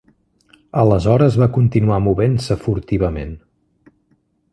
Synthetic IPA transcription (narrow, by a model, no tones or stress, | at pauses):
ələzɔɾəzβakunt̪inuamuβensəfuɾt̪iβəmen